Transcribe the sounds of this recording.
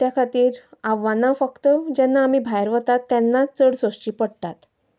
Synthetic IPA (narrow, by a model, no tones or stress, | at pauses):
t̪jakʰat̪iːɾaʋːanafəkt̪əd͡ʑɛnːaːmiːbʱajɾʋət̪at̪ːjɛnːat͡səɽsost͡ɕiːpəɽt̪at̪